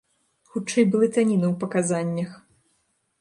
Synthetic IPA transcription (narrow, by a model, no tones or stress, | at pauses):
xut͡ʂɛjbɨlˠɨt̪anʲinɨwpɐkazanʲːɐx